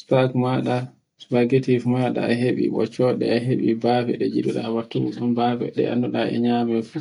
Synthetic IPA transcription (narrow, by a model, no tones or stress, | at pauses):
spaɡmaɗa | spaɡetifmaɗa̰aɦeɓḭɓɔ̰t͡ʃɔɗɛ̰aɦeɓibafɛ̰ɗɛd͡ʒiɗuɗa̰watːuɗumbavɛ̰ɗɛ̰a̰nːuɗaɛ̰ɲamɛfu